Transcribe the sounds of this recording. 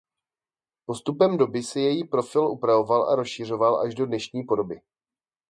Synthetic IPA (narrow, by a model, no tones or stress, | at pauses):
po̞st̪upɛmdo̞bɪsɛjɛjipɾo̞fɪlʔupɾavo̞valʔa̰ɾo̞sʃɪr̝o̞valʔa̰ʒdo̞dnɛʃɲiːpo̞do̞bɪ